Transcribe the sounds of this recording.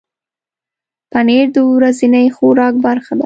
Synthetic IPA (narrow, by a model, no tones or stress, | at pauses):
paneɾd̪əwɾazinajxoɾɑk̚baɾxad̪a